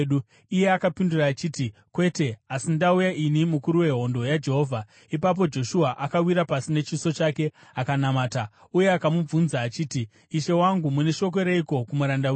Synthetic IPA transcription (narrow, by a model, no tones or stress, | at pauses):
u | ije̞akapinduraːt͡ʃitikwe̞te̞asindaujaʔinimukuɾuwe̞ɦo̞ndo̞jad͡ʒe̞ɦo̞vʱa | ipap̬o̞d͡ʒo̞ʃuaʔakawiɾapasine̞t͡ʃiso̞t͡ʃake̞akanamaːta | uje̞akamub͡vunzaːt͡ʃiːtiː | ʃe̞waŋɡumune̞ʃo̞k̬o̞ɾe̞iko̞kumuɾandaw